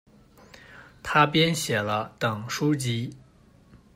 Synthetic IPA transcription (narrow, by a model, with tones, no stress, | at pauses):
t̪ʰa˥pjɛ˥nɕjɛ˨˩lə˦t̪ɤ˨˩ŋʂu˥t͡ɕi˥